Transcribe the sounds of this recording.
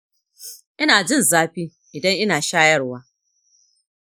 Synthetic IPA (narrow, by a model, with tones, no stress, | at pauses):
ʔɪ˦naː˨d͡ʒɪ˦˨nzaː˦ɸiː˦ | ʔɪ˨dɐ˦ŋʔɪ˦naː˨ʃaː˦jɐ˦rwaː˦